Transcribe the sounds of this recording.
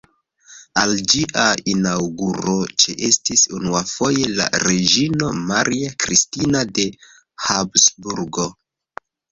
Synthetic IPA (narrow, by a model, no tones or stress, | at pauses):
ald͡ʒiʔainawɡuɾo̞t͡ʃeʔe̞stisunuafo̞je̞la̰ɾe̞d͡ʒino̞maɾiakɾistinade̞ | habsbuɾɡo̞